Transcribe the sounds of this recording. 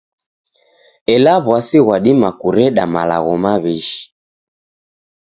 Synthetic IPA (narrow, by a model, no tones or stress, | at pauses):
ɛlaβwasiɣwaɗimakuɾɛɗamala̰ɣɔmaβiʃi̥